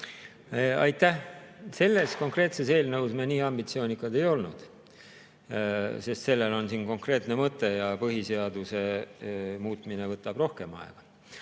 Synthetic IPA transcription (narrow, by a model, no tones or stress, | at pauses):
ɑjt̪ːˑæhse̞lːe̞sko̞ŋkre̞ːt̪se̞se̞ːlnɤwsmeniːɑmbit̪sio̞ːnʲikːˑɑd̪e̞jo̞lnṵd̪̥ | se̞st̪se̞lːe̞lo̞nsinko̞ŋkre̞ːt̪ˑne̞mɤt̪ːˑe̞jɑpɤɦise̞ɑd̪use̞ | muːt̪ˑmine̞vɤt̪ːˑɑb̥ro̞hke̞mɑ̰ḛɡ̥ɑ̥